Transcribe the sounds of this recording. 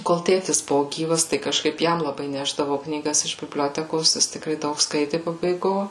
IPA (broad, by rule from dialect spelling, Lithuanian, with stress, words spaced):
koːlˠ ˈtʲeːtʲɪs ˈbʊʋoː ˈɡʲiːʋɐs tɐɪ kɐʃˈkɐɪp ˈjɛm lˠɐˈbɐɪ ˈnʲæːʒdɐʋɐʊ knʲiːˈɡɐs ɪʃ bʲɪbʲˈlʲoːtʲɛkoːs ˈjɪs tʲɪkˈrɐɪ ˈdɐʊk ˈskɐɪtʲɪ pɐbɐɪˈɡoː